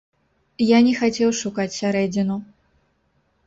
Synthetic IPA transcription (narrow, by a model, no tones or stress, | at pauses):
janʲɛxat͡sʲɛwʂukat͡sʲsʲaɾɛd͡zʲɪnu